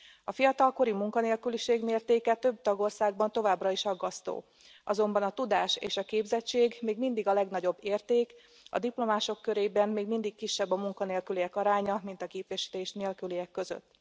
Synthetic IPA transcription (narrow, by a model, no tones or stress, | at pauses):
ɒfijɒt̪ɒlko̞ɾimuŋkɒneːlkyliʃeːɡmeːrt̪eːkɛt̪ø̞b̚t̪ɒɡo̞rsaːɡ̚bɒnt̪o̞vaːbrɒiʃɒɡːɒst̪o̰ː | ʔɒzo̞mbɒnɒt̪ud̪aːʃḛːʃɒkeːbzɛt͡ʃːeːɡmeːɡmind̪iɡɒlɛɡnɒɟo̞bːeːrt̪eːk | ɒ̰d̪iplo̞maːʃo̞kːøɾeːbɛmːmeːɡmind̪ikkiʃːɛbːɒmuŋkɒneːlkylijɛkɒɾaːɲɒmint̪ɒkeːpɛʃi̥t̪eːʃneːlkylijɛkːø̞zø̰t̪ː